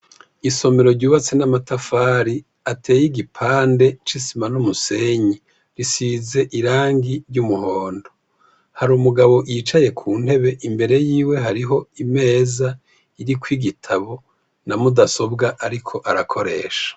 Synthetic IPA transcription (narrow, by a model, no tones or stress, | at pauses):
iso̞me̞ɾo̞ɾɟuːβat͡senamatafaːɾi | atʰe̞ːjiɡipʰaːnde̞t͡ʃisimanumuse̞ɲi | ɾisize̞ʔiɾaːŋɡiɾɟumuhoːndo̞ | haɾuːmuɡaβo̞ʔʔit͡ʃaje̞kʰuːn̥he̞βe̞ʔimbe̞ɾe̞jiːwe̞ɦaɾiɦo̞ime̞ːza | iɾikwiɡitʰaβo̞ | namudaso̞bɡaʔaɾikʰo̞ʔaɾakʰo̞ɾe̞̰ːʃḁ